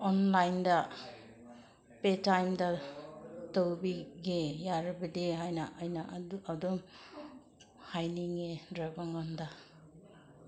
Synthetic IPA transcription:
ɔnlajnda | petajmda | towbiɡejaɾbɐdiɦajnaʔajnaʔadum | hajniŋedɾabaŋɔnda

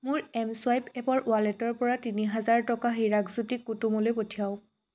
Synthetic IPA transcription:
mʊɹɛmswajpɛpɔɹʔʊalɛtɔɹpɔɹatiniɦazaɹtɔkaɦiɹaɡzutikːutumɔlojpotʰijaʊ

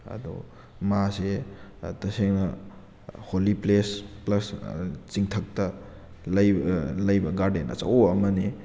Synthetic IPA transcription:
ɐ̰dṵ | masetɐseŋnɐ | holiplesplɐst͡ʃiŋtʰɐk̚tɐ | lɐjlɐjbɐɡaɾdenɐ̰t͡ʃɐ̰woɐmɐni

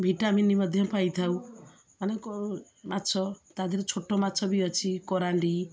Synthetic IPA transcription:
bʱiʈaminimʌd̪ʱjpajt̪ʰaw̃ | manek | matːsʰɔt̪ad̪ʱiɾet͡ʃʰoʈːomatːsʰɔbiɔt͡ʃʰikɔɾaɳɖi

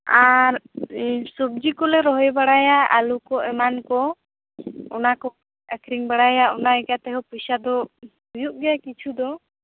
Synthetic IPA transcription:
aɾ | sɔb̚d͡ʒikɔlɛɾɔɦɔjbaɽajaalukɔʔɛmankɔ | ɔnakɔ | ɛkʰɾiŋbaɽajaɔnaɛkat̪ɛɦɔpusad̪ɔhujuʔ̚ɡɛjakit͡ʃʰud̪ɔ

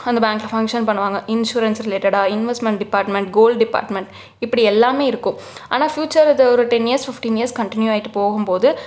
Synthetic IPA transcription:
ɐnd̪ɐbaːŋklɐfɐŋkʂɐnpɐɳːɯʋaːŋɡɐʔɪnʃuːɾɐnsɾɪleːʈɐɽaːɪnʋɛsʈmɛ̃ɳʈ̚ɖɪpaːɾʈmɛɳʈɡoːlɖɖɪpa̰ːɾʈmɛɳʈ | ɪpːɐɽiɛlːaːmeːɪɾɯkːʊ̃ | ʔa̰ːnaːfjuːt͡ʃːɐɾɐðɐɔɾɯʈɛnijɐɾsfɪfʈiːnjiɐɾskɐɳʈɪnjuaːɪʈːɯpoːɣɯmpoːðɯ

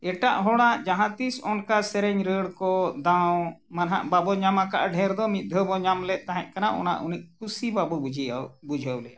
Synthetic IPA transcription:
ɛʈaʔɦɔɽ̃aʔd͡ʒaɦãt̪isɔnkasɛɾɛɲɾəɽkɔd̪ãwmanɦaʔbabɔɲamakaʔaɖʱɛɾd̪ɔmit̪̚ˀd̪ʱəbɔɲamlɛʔ̚t̪aɦɛ̃ʔ̚ˀkanaʔɔ̰na̰ʔuniʔ̚kusibabɔbud͡ʒʱiabud͡ʒʱəwlɛa

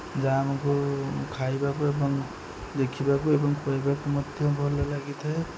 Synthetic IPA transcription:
d͡ʒamɔkokʰajbakuebɔŋ | d̪ekʰibakuebɔŋpɔjbakomɔd̪ʱjɔbʱɔlalaɡit̪ʰʌj

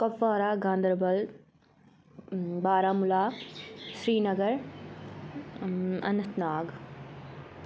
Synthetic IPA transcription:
kɐfːaːɾaːɡãːnd̪əɾbɐl | baːɾaːmulaːʃɾiːnɐɡəɾ | ɐ̰nɐt̪naːɡ

